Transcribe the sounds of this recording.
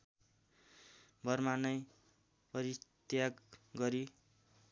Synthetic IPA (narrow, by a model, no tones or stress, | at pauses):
bʱʌrmanʌj | pʌɾit̪jakɡʌɾi